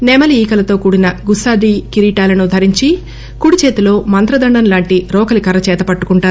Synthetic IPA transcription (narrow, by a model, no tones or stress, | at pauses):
nɛːmɐliiːkɐlɐt̪o̞ːkuːɽinɐɡusaːd̪iːkiɾiːʈaːlɐnud̪ʱɐɾiɲt͡ʃi | kuːɽit͡ʃeːt̪ilo̞ːmɐnt̪ɾɐd̪ɐɳɖɐnlaːɳʈiɾɔːkɐlikɐɾɐt͡ʃɛːt̪ɐpɐʈːu̥kuɳʈaːɾu